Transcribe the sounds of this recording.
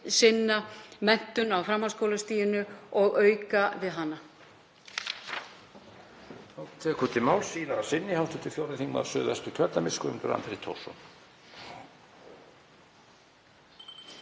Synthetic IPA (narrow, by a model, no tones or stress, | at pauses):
sɪnːamɛn̥t̪ʏnawfɾamːhaskowlast̪iːjʏnʏɔɣœːɥkavɪðɦanːa | owt̪ʰɛːkʏt̪ʰɪmaːwlsiːnaasɪnːɪhawst̪ʏ̥t̪ʰɪlfjowɾɪθiŋkma̰sœːðɛ̰st̪ʏcʰœt̪lamɪskʏʏmt̪ʏɾa̰nt̪ɾit̪ʰo̰wsɔ̰n